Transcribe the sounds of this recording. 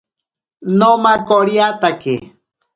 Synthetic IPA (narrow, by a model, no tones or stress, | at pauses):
nomakoɾjat̪aki